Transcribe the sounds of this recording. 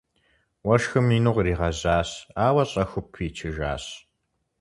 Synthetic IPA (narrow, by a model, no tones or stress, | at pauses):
wɐʃxɨmiːnuʁriːʁɐʑaːɕaːwɐɕʼɐxʷʊpʰiːt͡ʃʰɪʒa̰ːɕ